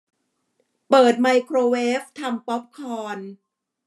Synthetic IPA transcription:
pɤː˨˩t̪̚ma˧jkʰɾoː˧weː˦˥f̚t̪ʰa˧mpɔ˦˥p̚kʰɔː˧n

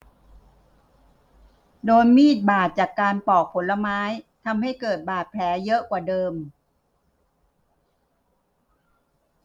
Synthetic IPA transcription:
doː˧jmiː˥˩t̪̚baː˨˩t̪̚t͡ɕaː˨˩kːaː˧npɔː˨˩k̚pʰo˩˦nla˧maː˦˥jt̪ʰa˧mha˥˩jkɤː˨˩t̪̚baː˨˩t̪̚pʰlɛː˩˦jɤ˦˥ʔkwaː˨˩dɤː˧m

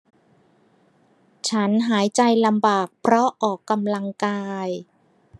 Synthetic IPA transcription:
t͡ɕʰa˦˥nɦaː˩˦jt͡ɕa˧jla˧mbaː˨˩k̚pʰɾɔ˦˥ʔɔː˨˩kːa˧mla˧ŋkaː˧j

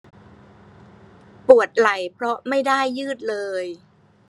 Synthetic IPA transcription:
pu˨˩ət̪̚la˨˩jpʰɾɔ˦˥ma˥˩jda˥˩jːɯː˥˩t̪̚lɤː˧j

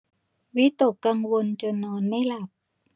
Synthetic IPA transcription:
wi˦˥t̪o˨˩kːa˧ŋwo˧nt͡ɕo˧nːɔː˧˥nma˥˩jla˨˩p̚

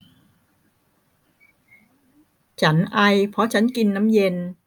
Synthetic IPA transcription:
t͡ɕʰa˦˥nʔa˧jpʰɔ˦˥t͡ɕʰa˦˥nki˧nːa˦˥mje˧n

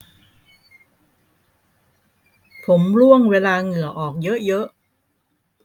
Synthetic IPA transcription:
pʰo˩˦mɾu˥˩əŋweː˧laː˧ŋɯ˨˩əʔɔː˨˩k̚jɤ˦˥ʔjɤ˦˥ʔ

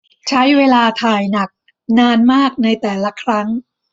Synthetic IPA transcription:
t͡ɕʰa˦˥jweː˧laː˧t̪ʰaː˨˩jna˨˩k̚ | naː˧nmaː˥˩k̚na˧jt̪ɛː˨˩la˦˥˩kʰɾa˦˥ŋ

